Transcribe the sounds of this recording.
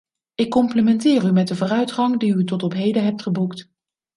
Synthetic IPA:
ɪkːɔmpləmɛntɪːrymɛt̚dəvʊːrœɥtχɑŋdiytɔtɔpɦejdəɦɛp̚tχəbukt

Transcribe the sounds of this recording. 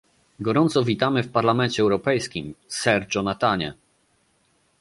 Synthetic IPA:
ɡɔɾɔnt̪sɔvʲit̪amɘfpaɾlamɛnt͡ɕɛːwɾɔpɛjskʲimsɛɾd͡ʐɔnat̪aɲɛ

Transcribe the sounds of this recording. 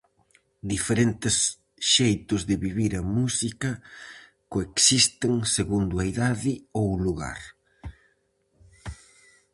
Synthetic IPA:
d̪ifeɾent̪ɪs | ʃejt̪ʊzðɪβiβiɾɐmusikɐ | koeksist̪eŋseɣund̪ʊɐiðaðɪowluɣa̰ɾ

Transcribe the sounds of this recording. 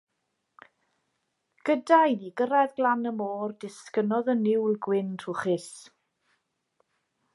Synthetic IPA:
ɡ̥ədajniɡəɾaðɡlanəmoːrdɪskənɔðənɪwlɡwɪnʰruχɪs

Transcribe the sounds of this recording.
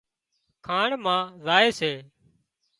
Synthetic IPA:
kʰaːɳmãːzaːeːseː

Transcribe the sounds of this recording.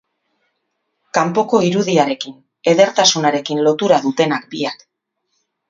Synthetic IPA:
kampo̞ko̞iɾuðiaɾe̞kin | e̞ðe̞ɾt̪asunaɾe̞kinlo̞t̪uɾaðut̪e̞nak̚biak

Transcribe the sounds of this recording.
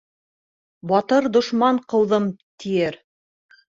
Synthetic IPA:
bɑt̪ɤɾd̪ŏʃmɑɴqɤ̆wðɤmt̪ʰijɘɾ

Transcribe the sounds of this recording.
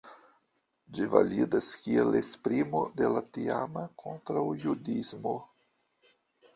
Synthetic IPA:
d͡ʒiva̰lidaskielespɾimodelatiamakʰo̞ntɾawjudizmo

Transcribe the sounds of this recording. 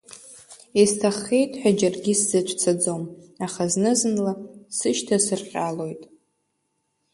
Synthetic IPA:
istʰaχejtʼħʷᶣad͡ʒarɡʲiszɨt͡ʃʷʰʼt͡sʰad͡zomaχaznɨzɨnlasɨʃtʰasɨrqʲʼalo̞jtʼ

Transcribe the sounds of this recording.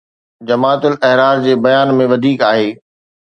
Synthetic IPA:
d͡ʑɐmaːt̪ʊlɛɦɾaːɾd͡ʑeːbɐjaːnmẽʋɐd̪ʱiːkaːɦeː

